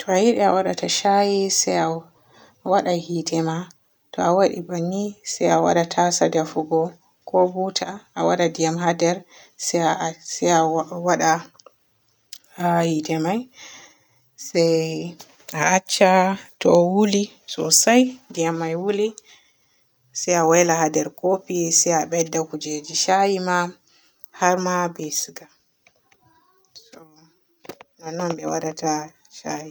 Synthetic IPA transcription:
tʰɔajiɗɛawaɗataʃajisaja | waɗahitʰɛma | tɔawaɗḭbanːisajawa̰ɗatʰasadɛfuɡɔ | kʰɔbutʰaʔːwaɗadijamɦadɛɾ | sasaawaɗa | hitɛmaj | saj | aːt͡ʃːatɔwuli | sɔ̰sajdijamːajwuli | sajawɛlahadɛɾkopisajaɓɛdːakud͡ʒed͡ʒiʃajima | haɾmabɛsiɡa | sɔ | nanːɔnɓɛwa̰ɗata | ʃaji

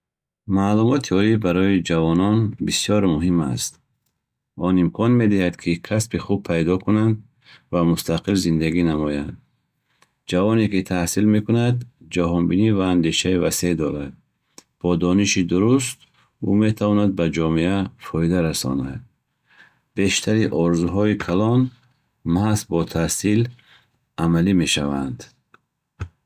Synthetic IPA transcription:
maːlumɔt̪ʰiɔibaɾɔid͡ʒavɔnɔnbisijɔɾmuɦima̰st̪ | ɔnimkʰɔnme̞d̪ihad̪kʰikʰaspiχub̚pʰajd̪ɔkunand̪ | vamust̪ʰaqilzind̪aɡinamɔjand̪ | d͡ʒavɔnekit̪ʰahsilme̞kunad̪d͡ʒaɦɔnbinivaːnd̪e̞ʃaivase̞d̪ɔɾad̪̚ | b̥ɔd̪ɔniʃid̪uɾust̪ | ume̞t̪ʰavɔnad̪̚bad͡ʒɔmeafɔid̪aɾasɔ̰nad̪̚ | be̞ʃt̪ʰaɾiʔɔɾzuɦɔikʰalɔn | maasbɔt̪ʰahsil | amalime̞ʃavand̪

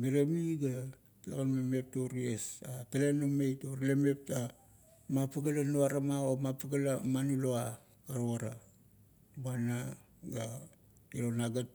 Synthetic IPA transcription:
meɾemiɡa | takanmeme̞p̚toɾiesatalenamejtoɾleme̞p̚ta | mapaɡalanuaɾamaomapaɡalamanuloa | aɾoaɾa | bana | ɡa | iɾonaɡat̚

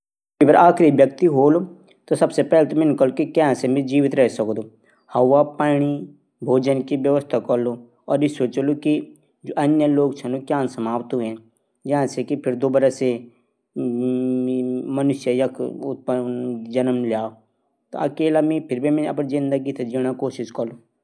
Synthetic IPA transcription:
ipɪɾaːkʰɾiʋjəkt̪iɦoːlo | t̪osɐbsepɛːlt̪omɪnkəlokikɛ̃ɦãsemĩd͡ʒiːʋɪt̪ɾɛɦsəkːd̪o | hɐwapaːɽ̃i | bʱoːd͡ʒənkiʋjəʋəst̪ʰakɔɾlo | ɔːɾjisoːt͡ʃoloki | d͡ʒoːʔɐnjəloːɡt͡ʃʰɐnokjãːnsɐmaːʋt̪ɦuẽ | d͡ʒɐɦãsekipʰɪɾd̪oːbəɾase | mɐnʊʃjəjɐkʊt̪̚pəd͡ʒɐnəmljaːo | t̪o̰ɐkeːlamĩpʰɪɾbʱimiɐpnzɪ̃nd̪ak̬it̪ʰɐd͡ʒiɽ̃akoːʃɪʃkɐɾlo

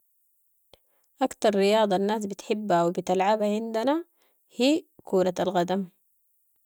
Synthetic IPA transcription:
ʔakt̪ɑɾˤːɪjɑːd̪ˤɑnːaːs̬bit̪ħɪbːhawibit̪alʕabaʕɪnd̪ana | hiːkʰuːɾaalɣad̪am

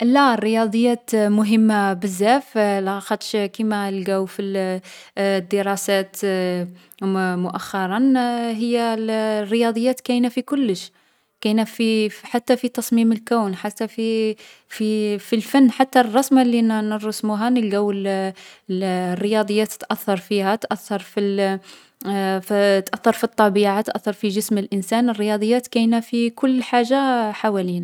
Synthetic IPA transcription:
lærːəjɑd̪ˤəjːæt̪mʊɦəmːabəzːæflxɑt̪ˤʃkimælɡæwfil | d̪ːəɾˤɑsæt̪ | mʊʔæxːɑɾˤɑnɦəjːælrːəjɑd̪ˤəjːæt̪kæjnæfikʊlːəʃ | kæjnæfiħat̪ːæfit̪ɑsˤmiməlkæwnħat̪ːæfififilfænːħat̪ːærˤːɑsmlːinnərˤːɑsmuɦænəlɡæwːəl | rːəjɑd̪ˤəjːæt̪t̪ːʔæθːɑɾˤfihæt̪ʔæθːɑɾˤfi | ft̪ʔæθːɑɾˤfit̪ˤːɑbiʕat̪ʔæθːɑɾˤfiʒəsməlʔənsænərːəjɑd̪ˤəjːæt̪kæjnæfikʊlːħaʒːaħawælin

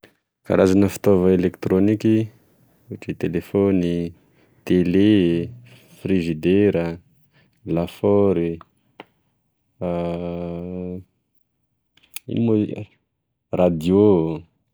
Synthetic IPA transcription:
ka̰ɾazanəfi̥t̪ovəelekt̪ɾoniki | uʈ͡ʂit̪elefoni | t̪ele | frizid̪eɾə | lafɔɾi | ḭmo | rad̪io

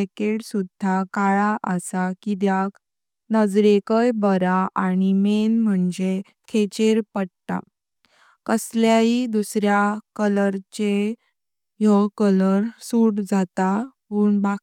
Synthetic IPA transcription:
ekeɽsud̪ʱːakaɭaʔəsakid̪jak | nəd͡zɾekəjbəɾaʔaɽ̃imenm̤əɳd͡ze | kʰet͡ɕeɾpəɽt̪a̰ | kəsljaɦid̪usɾjakələɾt͡ɕe | jɔkələɾsuɽd͡zat̪aɦuːɳba

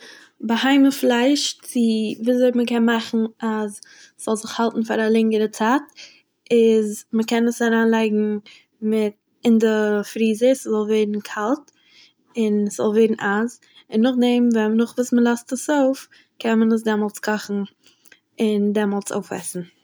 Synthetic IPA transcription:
bəhaɪməflˠaɪʃt͡sɪviːzoɪtməkɛnmaχn̩az | sz̥ɔlˠzɪχhalˠtn̩faɾalˠɪŋəɾət͡saːt | ɪzməkɛnəsaɾaːnlˠaɪɡŋ̩ | mɪt̚ | ɪndəfɾiːzəszɔlˠvɛɪdn̩kʰalˠt | ɪnɛsz̥ɔ̰lˠvɛdn̩ʔaz | ɪnːʊχdɛmvɛnʊχvuːsməlˠɔstəsoʊf | kʰɛnmənəs̬dɛmɔlˠt͡skʰɔχn̩ | ɪndɛmɔlˠt͡so̰ʊfɛ̰sn̩

